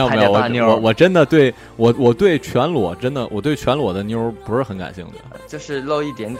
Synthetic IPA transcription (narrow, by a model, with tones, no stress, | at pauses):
e˥˩˥wɔ˧˩wɔ˨˩ʈ͡ʂə˥nd̪ə˨t̪we˥˩ɪ | wɔ˨˩wɔ˨˩t̪we˥˩ɪt͡ɕʰɥɛ˧˥nlwɔ̰˨˩ʈ͡ʂə˥nd̪ə˨wɔ̰˨˩t̪we˥˩ɪt͡ɕʰɥɛ˧˥nlwɔ˨˩d̪ə˦nji˥ə˧˥pu˧˥ʂɻ̩˥˩xə˧˥nka̰˨˩nɕḭ˥˩ŋd̪ə̰˩t͡ɕjo˥˧ʊʂɻ̩˥˧lo˥˧ʊi˥˩t̪jɛ˧˥n